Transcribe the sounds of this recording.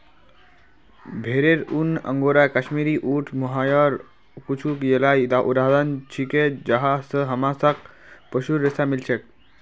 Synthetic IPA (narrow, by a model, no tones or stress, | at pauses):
bʱeːɾeɾunːə̰̃ŋɡoɾakəʃmiɾiʔuʈʰməɦajəɾ | kut͡ʃʰukjelaid̪aʔuɾad̪ənt͡ʃʰiked͡ʒəɦasəɦəmasak̚pəʃuɾestamilt͡ʃʰek̚